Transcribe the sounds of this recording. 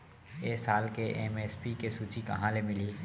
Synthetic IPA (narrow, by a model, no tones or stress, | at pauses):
eːsaːlkeʔemeːspikesuːt͡ʃikɐ̰ɦãlemɪli